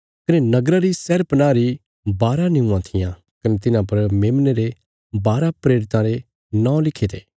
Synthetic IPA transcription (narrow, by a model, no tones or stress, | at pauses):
kɐnenɐɡɾaɾisɛːɾpɐnaːɾi | baːɾanɪũãt̪ʰɪjã | kɐnet̪ɪnãpɐɾmeːmneɾe | baːɾapɾeːɾɪt̪ãɾe | nãːõlɪkʰet̪ʰeː